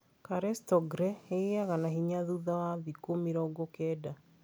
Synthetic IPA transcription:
kaɾɛstɔɡɾɛeiaɣanaɦiɲaðuðawaðikomiɾɔɡokɛda

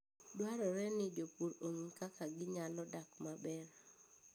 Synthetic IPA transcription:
dwaɾɔɾɛnɪdopuɾoŋkakaɡɪɲalɔdakmabɛr

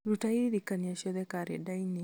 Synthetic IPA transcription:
ɾutaiɾikaniaʃɛðɛkaɾɛ̰daini

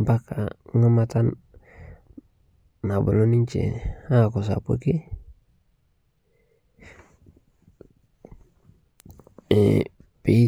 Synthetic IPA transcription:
bakaŋamat̪an | abṵloniɲt͡ʃḛakos̬a̰pṵki | ḛpe

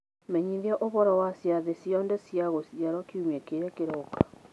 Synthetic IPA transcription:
mɛɲiðjaʔoβɔɾɔwasjaðesjɔndɛsjaɣosjaɾɔkiumekeɾɛkeɾɔkḁ

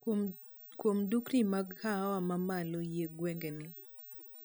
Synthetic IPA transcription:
kwomdukɾimaɡhawamamalojeɡwɛŋɡenɪ

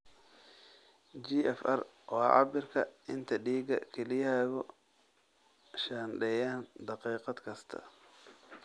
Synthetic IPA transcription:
d͡ʒiːʔɛfɐr | wɑːʕɑ̰bɪrkʰɐɪnt̪ʰɐɖiːɡɐ̰kʰɛlɪjhɛɣʊ | ʃaːnɖɛjaːnd̪ɑqiːqɑd̪kʰɐst̪ʰɐ̰

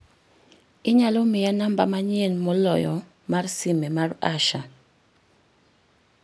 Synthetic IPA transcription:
iɲalomijanamba̰maɲenmɔlɔ̰jɔ | marsimɛmaraʃa

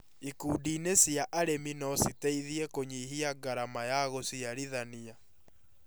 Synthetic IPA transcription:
ikuːdiːnesjaʔaɾeminɔsiteiðiɛkoɲiɦiaɡaɾamajaɣosiaɾiðania

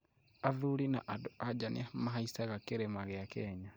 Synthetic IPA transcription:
aðulina̰ʔadoad͡ʒanemaɦaisaɣakeɾemaɣejakeːɲa

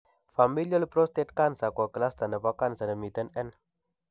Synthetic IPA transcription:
familiəlpɾost̪ɛt̪̚kansakakəlasd̪anəpakansanəmit̪ənɛn

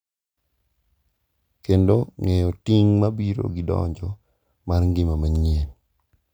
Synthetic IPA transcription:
kendoŋejɔtiŋmabiɾo̰ɡɪdɔ̰ɲd͡ʒɔ | marŋɡɪmamaɲien

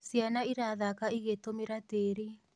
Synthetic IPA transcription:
sjanaiɾaðakaiɣet̪omeɾat̪eɾi

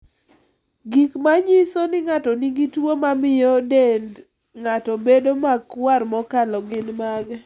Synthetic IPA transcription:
ɡikmaɲisonɪŋatɔniɡitwomamɪjɔdend | ŋatɔbedomakwarmɔkalɔɡɪnmaɡ

